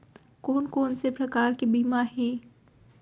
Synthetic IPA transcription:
koːnkoːnsepɾɐkaːɾkibiːmaɦɛ̃ː

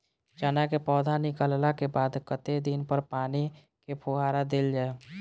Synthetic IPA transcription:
d͡ʒaːnakepɔːd̪ʱanɪkəllakebaːd̪kət̪ed̪inpəɾpaːni | kepʰoɦaːɾad̪eld͡ʒaːe

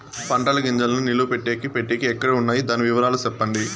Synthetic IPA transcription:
pɐɳʈɐlɐɡiɲd͡ʒɐlɐnunilupeʈːeːkipeʈːeːkiɛkːɐɽeːunːaːjid̪aːniʋiʋɐɾaːlusɛpːɐɳɖi

